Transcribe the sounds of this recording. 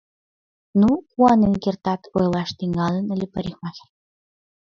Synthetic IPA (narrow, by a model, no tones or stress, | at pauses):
nukuɑnenkʲert̪ɑt̪ʰojlˠɑʃt̪iŋɑlə̆nə̆lʲĕpə̆ɾʲixmɑxʲĕ̥r